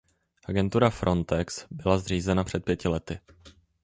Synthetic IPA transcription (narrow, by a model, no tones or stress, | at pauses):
ʔaɡɛnt̪uɾafɾʔo̞nt̪ɛksbɪlazr̝iːzɛnapr̥ɛt̪̚pjɛcɪlɛt̪ɪ